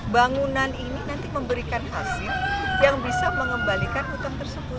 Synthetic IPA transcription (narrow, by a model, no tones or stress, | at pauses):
baŋunanininant̪iməmbəɾikanɦasɪljaŋbisaməŋəmbalikanut̪amt̪ərsəbʊ